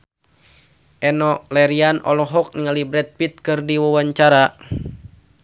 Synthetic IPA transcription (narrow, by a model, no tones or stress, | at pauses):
ʔɛnɔlɛɾianɔ̰lɔɦɔk̚niŋalibɾɛt̪̚pit̪̚kɨrdiwawaɲt͡ʃaɾa